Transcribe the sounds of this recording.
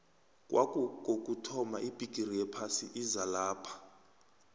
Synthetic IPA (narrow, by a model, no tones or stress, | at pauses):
kʼwʔa̰kʼuɡ̥ʱok̬ʼutʰɔmaʔib̥ʱiɡ̥ʱʼirijɛpʰasiʔizalaːpʰḁ